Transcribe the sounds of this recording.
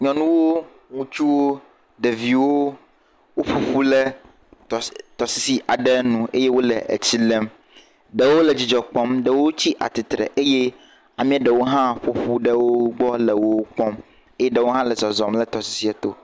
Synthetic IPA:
ɲɔ̃˨nũ˦wo˦ | ŋũ˨t͡ʃu˦wo˦ | ɖe˨vi˨wo˦ | wo˦ɸo˨ɸu˦lɛ˦˨ | t̪ɔ˨si˦si˦ʔa˨ɖɛ˦nũ˦˨e˦je˦wo˦lɛ˨ʔḛ˨t͡ɕi˦lɛ˦m | ɖe˨wo˦lɛ˨d͡ʑi˨d͡ʒɔ˨k͡pɔ̃˦mɖɛ˨wo˦t͡ɕi˦ʔa̰˨t̪i˨t̪ɾɛ̰˨ʔe˦je˦ | a˨mĩ˦a˦ɖɛ˨wo˦ɦã˦ɸo˨ɸu˦ɖɛ˦wo˦ɡ͡bɔ˦lɛ˨wo˦k͡pɔ˦m | e˦je˦ɖɛ˦˨wo˦ɦã˦lɛ˨zɔ˨zɔ˨mlɛ˦t̪ɔ˨si̥˦si˦a˨t̪o˨

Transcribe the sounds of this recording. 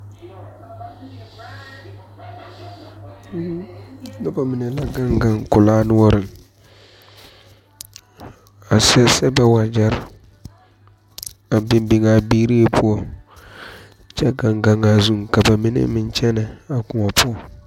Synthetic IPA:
na˦ba˨mɪ˨nɛ˨la˦ɡa˦ŋɡa˨ŋkʊ˨laː˦nʊ˦ɔ˦ɾɨ˨ŋ | a˨sɛ˦sɛ˦ba˨wa˨d͡ʒa˦ɾ | a˨bɪ˨mbɪ˨ŋa˨biː˦ɾi˦e˦˨pʰʊ˦ɔ˦ | t͡ʃɛ˦ɡa˨ŋɡa˨ŋa˨zu˦ŋka˨ba˨mɪ˦nɪ̰˦mɪ˨nt͡ʃɛ˦nɪ˨a˨kʊ˨ŋɔ˨pʰʊ˦ɔ˨

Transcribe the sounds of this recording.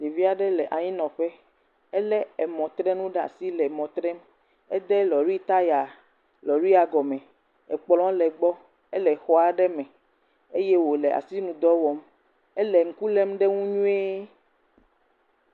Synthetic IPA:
de˨vi˦a˨ɖɛ˦lɛ˨ʔa˨ɲĩ˦nɔ̃˨ɸɛ˦ | ɛ˦lɛ˦ɛ˨mɔ̃˨t̪ɾɛ˦nũ˦ɖa̰˨si˦lɛ˨mɔ̃˨t̪ɾɛ˦m | ɛ˦d̪ɛ˦lɔ˨ɾwi˦t̪a˦ja˨ | lɔ˨ɾi˦a˨ɡɔ˨mɛ̃˨ | ɛ˨k͡plɔ̃˦lɛ˨ɡ͡bɔ˦ | ɛ˦lɛ˨xɔ˦a˨ɖɛ˦mɛ̃˨ | e˦je˦wo˨lɛ˨ʔa̰˨si˦nũ˨d̪ɔ˦wɔ˨m | ɛ˦lɛ˨ŋ̩˨ku˦lɛ˦mɖɛ˦ŋũ˦ɲũ˦e˦

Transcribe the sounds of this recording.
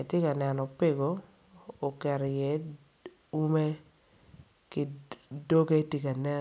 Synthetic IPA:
e˨tjɪ˦ka˨nɛ˨nɔ˨pe˦˨ɡoː˨˦˨ | kɛ˨ɾjɛ˨˦ | u˦me˦ | kɪ˦do˦ɡe˦i˦ti˦ka˨nɛ˦

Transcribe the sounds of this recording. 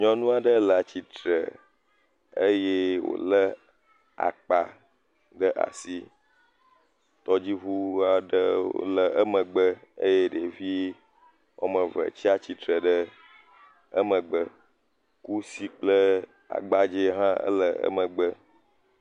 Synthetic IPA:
ɲɔ̃˦nũ˦a˨ɖə˦lə˨a˨t͡ɕi˨t̪ɾə̰˨ | ə˦je˦wo̰˨lə˦ | a̰˨k͡pa˨ | ɖə˦ʔa̰˨si˦ | t̪ɔ˦d͡ʑi˦βu˦a˨ɖə˦o̰˦lə˨ʔə˦mə̃˨ɡ͡bə˦ə̰˦je˦ɖe˨vi˦ | wo̰˦mə̃˨və̰˨t͡ɕi˦a˦t͡ɕi˦t̪ɾə˨ɖə˦ | ə˦mə̃˨ɡ͡bə˦ | ku˦si˦k͡plə˦ | a̰˨ɡ͡ba˦d͡ʒe˦ɦã˦ə̰˦lə˨ə̰˦mə̃˨ɡ͡bə˦

